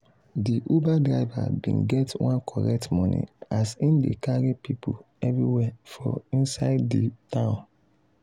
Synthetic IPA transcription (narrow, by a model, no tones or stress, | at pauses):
diʔobadɹaɪva̰bḭ̃nɡɛtwãnkʰɔɹɛk̚tmɔnḭasĩndḛkaɾipipʰu | ɛvɹiwɛfɔĩnsaɪdditãʊ̃n